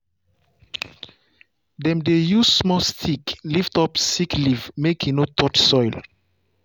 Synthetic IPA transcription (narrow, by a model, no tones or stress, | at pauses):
dɛ̃mdejuzsmɔstʰikliftɔpsiklivmekʰĩnotʰɔtsɔjl